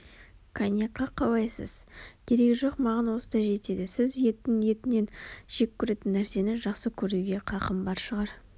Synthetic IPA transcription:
kʰanʲjɑqːɑqʰɑwɑjsə̰z̥kʲʰe̞ɾe̞kʲʒo̞qmɑʁɑnwo̞səd̪ɑjʒe̞t̪e̞d̪ɪsɪzje̞t̪ːɪŋje̞t̪ɪne̞nʒ̥e̞kʲʰːʏɾe̞t̪ɪnːæɾse̞nɪʒɑqsəkʲʰɵɾuɡʲe̞qʰɑqəmbɑɾʃəʁɑɾ

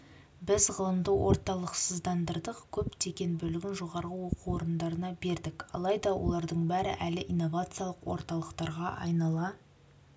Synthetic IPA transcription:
bɪzʁəlˠənd̪əwo̞̰ɾt̪ɑlˠəqsəzd̪ɑnd̪əɾd̪əqkʲʰɵpt̪ʰe̞kʲe̞nbɵlɪɡʲɪnʒo̞ʁɑɾʁəwo̞quoɾənd̪ɑɾənɑbe̞ɾd̪ɪkɑ̰lˠɑjd̪ɑwo̞̰lˠɑɾd̪əɴbæɾɪ̰ʔælɪʔijnːo̞vat̪sɨjalˠəqwo̞̰ɾt̪ɑlˠəqt̪ɑɾʁɑʔɑ̰jnɑlˠɑ

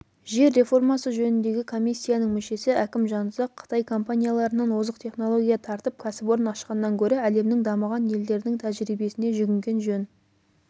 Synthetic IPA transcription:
ʒe̞ɾːe̞fo̞rmɑsəʒɵnɪnd̪e̞ɡʲɪkʰo̞mʲijsʲːijanəɴmɪʃe̞sɪʔækʲɪmʒɑnzəqʰːə̥t̪ɑjkʰo̞mpanʲijalˠɑɾənɑnwozəqt̪ʰe̞χno̞lˠo̞ɡʲijɑt̪ʰɑɾt̪əp̚kʲʰæsɪpo̞ɾənɑʃqɑnːɑŋkʲʰɵɾɪæle̞mnɪŋd̪ɑməʁɑnje̞ld̪e̞ɾd̪ɪŋt̪ʰæʒɾibe̞sɪne̞ʒʏɡʲɪŋɡʲe̞nʒɵn

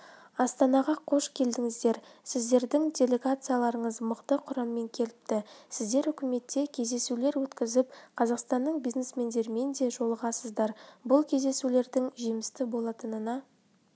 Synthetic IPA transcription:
ɑst̪ɑnɑʁɑqʰo̞ʃkʲʰe̞ld̪ɪŋɪzd̪e̞ɾsɪzd̪e̞ɾd̪ɪŋdʲe̞lʲe̞ɡat̪sɨjalˠɑɾəɴəzməqt̪əqʰʊɾɑmːe̞ŋkʲʰe̞lɪp̚t̪ɪsɪzd̪e̞ɾʏkʲɪme̞t̪ːe̞kʲʰe̞zd̪e̞sule̞ɾwɵt̪kʲɪzɪp̚qʰɑzɑqst̪ɑnːəɴbijzne̞sme̞nd̪e̞ɾɪme̞nd̪e̞ʒo̞lˠəʁɑsəzd̪ɑɾbʊlˠkʲʰe̞zd̪e̞sule̞ɾd̪ɪŋʒijmɪst̪ɪbo̞lˠɑt̪ənənɑ

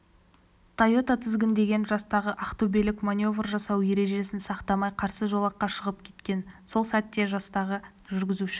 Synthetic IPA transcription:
t̪ʰajo̞t̪ɑt̪ʰɪzɡʲɪnd̪e̞ɡʲe̞nʒɑst̪ɑʁəʔaχt̪obelɪkmanʲo̞vrʒɑsɑwje̞ɾe̞ʒe̞sɪnsɑqt̪ɑmɑjqʰɑɾsəʒo̞lˠɑqːɑʃəʁəp̚kʲʰe̞̥t̪kʲe̞nso̞lˠsæt̪ːe̞ʒɑst̪ɑʁə | ʒʏɾɡʲɪzuʃɪ̥

